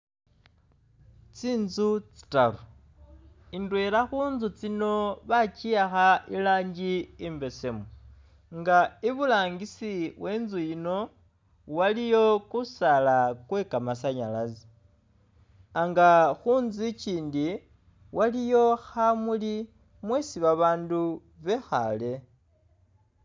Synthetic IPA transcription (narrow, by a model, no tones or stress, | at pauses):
t͡siːnzut͡si̥talu | indweːɾaxuːnzut͡sino̞βat͡ʃiaxailaːɲɟiimbe̞se̞mo | ŋɡaiβulaːŋɡisiwe̞ːnzujino̞ | walijo̞kusalakwe̞kamasaɲalazi̥ | aŋɡaxuːnzit͡ʃiːndi | wʔalijo̞xamuli | mwesiβaβaːndu | βe̞xa̰le̞